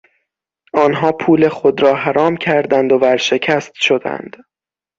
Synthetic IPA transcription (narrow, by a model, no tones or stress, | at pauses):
ʔɒːnɦɒːpʰuːle̞xo̞d̪ɾɒːɦæɾɒːmcʰæɾd̪ænd̪o̞bæɾʃe̞cʰæst̪ʃo̞d̪æ̰nd̪̥